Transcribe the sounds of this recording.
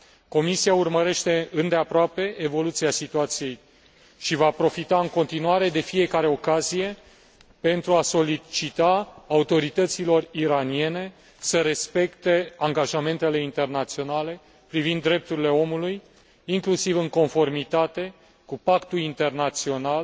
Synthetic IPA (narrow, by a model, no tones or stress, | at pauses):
ko̞misiaurməɾe̞ʃt̪e̞ɨnd̪e̞apɾoape̞evo̞lut̪siasit̪uat̪sije̞j | ʃivapɾo̞fit̪aɨŋko̞nt̪inuaɾe̞d̪e̞fije̞kaɾe̞o̞kazije̞ | pe̞nt̪ɾuaso̞lit͡ʃit̪aːut̪o̞ɾit̪ət̪silo̞riɾanie̞ne̞ | səɾe̞spe̞kt̪e̞aŋɡaʒame̞nt̪e̞le̞int̪e̞rnat̪sio̞nale̞ | pɾivind̪ːɾe̞p̚t̪uɾile̞o̞muluj | iŋklusivɨŋko̞nfo̞rmit̪at̪e̞ | kupakt̪ulint̪e̞rnat̪sio̞nal